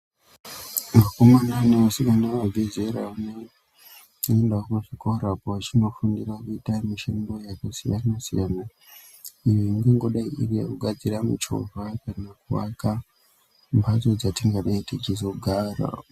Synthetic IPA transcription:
makomananeʋasikanaʋavʱizeɾaane | endakuʐikoɾapoat͡ʃino̞fundirakuitamiʃemɡo̞jakasijanasijana | ijoiŋɡeŋɡo̞ɗaiʔireuɡʱad͡ziɾamut͡ʃo̰vapanakuwa̰ka | mbat͡so̞d͡zatiŋɡaɗaitit͡ʃizo̞ɡʱaːra̰

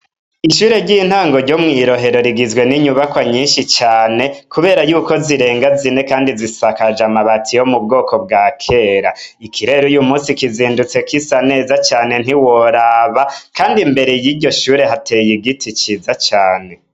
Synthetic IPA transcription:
iʃuːɾe̞ɾɟin̥haːŋɡo̞ɾɟo̞mŋiːɾo̞ɦe̞ɾo̞ɾiɡizɡwe̞niɲuβakwaɲiːnʃit͡ʃaːne̞kuβe̞ːɾajuːko̞ziɾe̞ːŋɡazine̞kaːndizisakad͡ʒamaβatʰijo̞mub̚ɡo̞ːko̞bɡaːkʰe̞ɾaikʰiɾe̞ɾujumuːsikiziːndut͡se̞kisane̞ːzat͡ʃaːne̞n̥iwo̞ɾaβakaːndimbe̞ɾe̞jiːɾɟo̞ʃuːɾe̞ɦatejiɡitʰit͡ʃizat͡ʃaːne̞

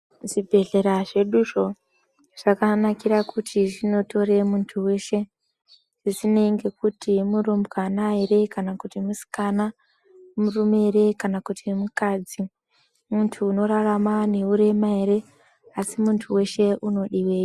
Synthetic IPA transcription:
ʐ̥ibʱe̞ɮe̞ɾaʐe̞ɗuʐo̞ | ʐ̥akanakirakʰutʰiʐino̞to̞ɾe̞muntʰuwe̞ːʃe̞ | ʐ̥isine̞ŋɡe̞kutimurombwanaere̞kanakutimusi̥kana | murumere̞kanakutʰimukad͡zi | muntʰuːno̞ɾaramane̞uɾe̞maeɾe̞ | asimuntʰuwe̞ʃe̞uno̞ɗiwe̞ːji

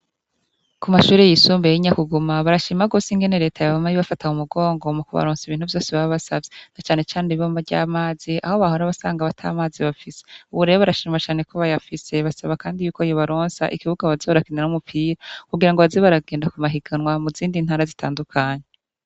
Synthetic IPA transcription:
kumaʃuːɾejisuːmbeiɲakuɡumaβaɾaʃiːmaɡo̞ːsiŋɡe̞ne̞ɾe̞ːtʰajaβamajiβafataumuɡo̞ːŋɡo̞mukuβa̰ɾoːnsiβiːn̥uvjo̞ːseβaβaβasavjenat͡ʃaːne̞t͡ʃaːniβoːmavɟa̰ːmaːziʔaho̞βaɦo̞ɾaβasaːŋɡaβatʰa̰ːmaːziβafiseuβuɾe̞βoβaɾaʃiːmwat͡ʃaːne̞koβajafise̞βasaβakaːndijuːkojoβaɾoːnsa̰ʔikiβuɡaβazeβaɾakinenumupʰiːɾakuɡiɾaŋɡoβazeβaɾaɡe̞ːndakumaɦiɡanŋwamuziːndin̥haːɾazitʰaːndukʰaːɲe

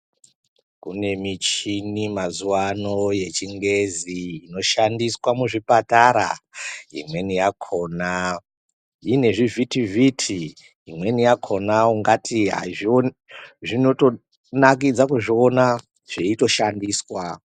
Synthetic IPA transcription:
kune̞mit͡ʃinimazuwano̞je̞t͡ʃiŋɡe̞ziːno̞ʃandiswamuʐipataɾa̰ḭmwe̞nijakʰo̞ːna | ine̞ʐivitivitʰi | imwe̞nijakʰo̞nauŋɡatʰiɦa̰ʐio | ʐino̞to̞ | nak̬id͡zakuʐio̞na | ʐ̥eito̞ʃandiswa

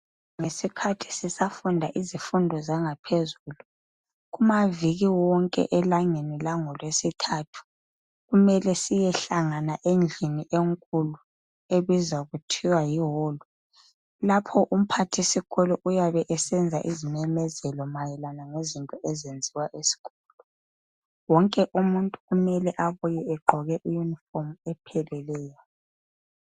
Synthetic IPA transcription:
ŋesikʰatʰi̥sisafundʱaʔizifundʱɔzaŋapʰezuːlu | ɣumaviɣiwɔŋkʼɛ̰ʔɛlaŋenilaŋɔlwesitʰatʰu̥ | ɣumɛlɛsijɛɬaŋanaʔend͡ɮʱiniʔeŋkʼulu | eβizaɣutʰiwajiɦɔːlɔ | lapʰɔʔum̩pʰatʰisiɣʰɔlɔʔujaβɛʔɛsɛnd͡zʱa̰ʔizimɛmɛzɛlɔmajɛlanaŋezintʼɔʔɛzend͡zʱiwaʔesi̥kʰɔllɔ | wɔŋkʼɛʔumuntʼuɣumɛlɛʔaβujɛɛɡ͡ǃʱɔɣɛʔijunifɔmɛpʰɛlɛlɛːjɔ

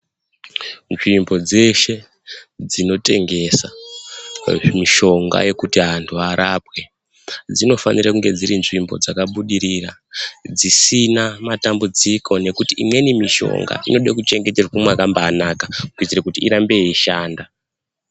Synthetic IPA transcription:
nʐimbo̞d͡ze̞ʃe̞ | d͡zino̞te̞ŋɡe̞sa | miʃo̞ŋɡa̰je̞kutiɦantʰuaɾapwe̞ | d͡zino̞fa̰nirakuŋɡe̞d͡ziɾinʐimbo̞̰d͡zakaɓuɗiɾirad͡zisinamatambud͡zikʰo̞ne̞kutiʔimwe̞nimiʃo̞̰ŋɡa̰ʔino̞ɗakut͡ʃe̞ŋɡe̞terkumakambaːnakakuid͡zirekutiiɾambe̞iʃaːnda

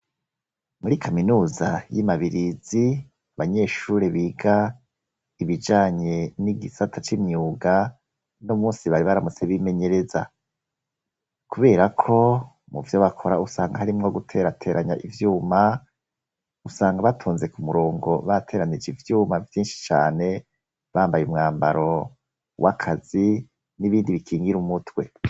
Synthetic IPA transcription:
muɾikʰaminuːzajimaβiɾizi | βaɲe̞ːʃuːɾe̞βiːɡa | iβid͡ʒaːɲe̞niɡisatʰat͡ʃimɲuːɡa | nomuːnsiβaɾiβaɾamut͡seβime̞ɲe̞ɾe̞za | kuβe̞ːɾakʰo̞ | muvjoβakʰo̞ɾausaːŋɡahaɾimŋoɡutʰe̞ːɾatʰe̞ːɾaɲa̰ʔivjuːma | usaːŋɡaβatʰoːnze̞kumuɾo̞ːŋɡo̞βatʰe̞ːɾanid͡ʒivjuːmavjiːnʃi̥t͡ʃa̰ːne̞ | βaːmbajumŋaːmba̰ɾo̞ | wʔakʰaz̥i | niβiːndiβikʰiːŋɡiɾumutwe̞

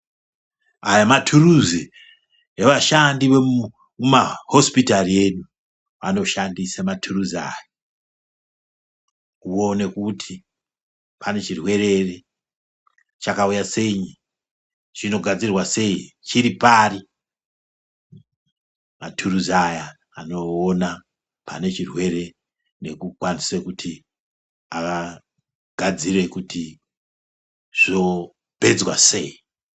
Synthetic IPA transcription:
ajamatʰuruzi | eʋaʃandiʋe | umaho̞spitarie̞ɗu | a̰no̞ʃandisamatʰuruzaːja | uo̞ne̞kutʰi | pʰane̞t͡ʃirwe̞re̞re | t͡ʃakaujase̞ɲi | ʐ̥ino̞ɡʱad͡zirwase̞it͡ʃiɾipaːri | matʰuruzajaː | no̞ːna | pa̰ne̞t͡ʃirwe̞ɾe | ne̞kukwanisekutʰi | aka | ɡ̥ʱad͡zire̞kuti | ʐ̥o̞ | b̥ʱe̞d͡zwase̞i

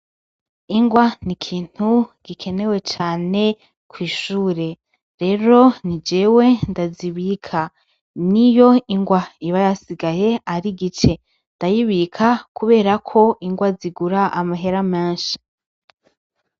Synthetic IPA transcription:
iŋɡwanikʰiːn̥huɡ̥ikʰe̞ne̞we̞t͡ʃaːne̞ | kʰwiːʃuːɾe̞ | ɾe̞ɾo̞nid͡ʒe̞ːwe̞ndaziβikʰa | nijo̞iŋɡwaiβajasiɡaje̞aɾiɡit͡ʃe̞ | ndajiβikʰakuβe̞ːɾakʰo̞ʔiŋɡwaziɡuɾaʔamaɦe̞ɾamaːnʃḁ

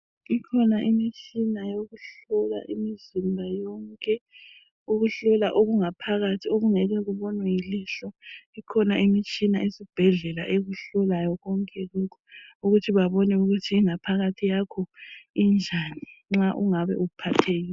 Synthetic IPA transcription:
ikʰɔnaʔimit͡ʃʰʼinajoɣuɬɔla̰ʔimizimbʱajɔŋkʼɛ | uɣuɬɔlaʔoɣuŋapʰaɣatʰioɣuŋɛɣɛɣuβɔnwɛjiliɬɔikʰɔnaʔimit͡ʃʼinaisib̥ʱɛɮɛla̰ʔeɣuɬɔlajɔɣɔŋkʼɛɣukʰɔuɣutʰiβaβɔnɛuɣutʰiːŋapʰaɣatʰijakʰɔind͡ʒʱaniŋ͡ǁaʔuŋaβɛ̰uupʰatʰeɣiːɛ

